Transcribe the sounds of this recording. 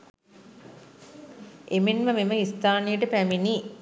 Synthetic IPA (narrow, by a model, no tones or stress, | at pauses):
emenməmeməist̪aːnijəʈəpæmini